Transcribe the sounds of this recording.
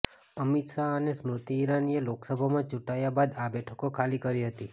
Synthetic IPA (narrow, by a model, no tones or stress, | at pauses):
əmit̪ʃaənesmɾut̪iːɾanieloksəbʱamãt͡ʃuʈajabad̪abɛʈʰəkokʰalikəɾiɦət̪i